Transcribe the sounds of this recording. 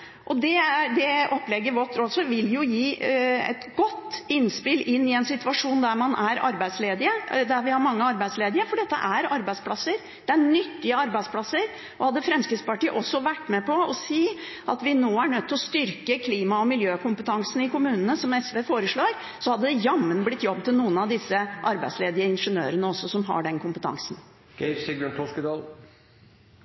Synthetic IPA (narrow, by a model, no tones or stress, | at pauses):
ʔɔd̪ɛæd̪ɛʔɔpːlɛɡːəɾʋɔʈ̪ːɾɔsɔʋɪljʊjiːɛ̰t̪ɡɔt̪ːɪnspɪlʔɪnːɪɛnsɪt̪ʉɑʂuːnd̪æɾmɑnʔæɾɑ̰ɾbæɪsleːd̪ɪəd̪æɾʋɪhɑɾmɑŋːəɑɾbæɪsleːd̪ɪəfɔɖɛt̪ːə̰ʔæɾɑɾbæɪd̪spʰlɑsːəɾ | d̪̥ɛæɳʏt̪ːɪəɑɾbæɪd̪spʰlɑsːəɾ | ʔɔhɑd̪ːəfɾɛmskəspɑʈiːʔɔsːɔʋæʈːmɛpɔɔsiː | ʔɑt̪ʋɪnoːæɳœt̪ʰːɪlɔst̪ʏɾkəkʰliːmɑɔmɪljøːkʰʊmpət̪ʰɑŋsn̩ɪkʊmʉːnənəsɔmɛsʋeːfoːɾəʂɭoːɾ | sɔhɑd̪ːəd̪ɛjɑmːənblɪt̪ːjɔb̚t̪ʰːɪlnuːənɑʋd̪ɪsːəʔɑɾbæ̰ɪsleːd̪ɪəɪnʂənø̰ːɾənəɔsːɔsɔmɦɑ̰ɖɛnkʊmpə̥t̪ʰɑ̰ŋsn | ɡ̥ɛsɪɡənt̪ʰɔskəd̪ɑːl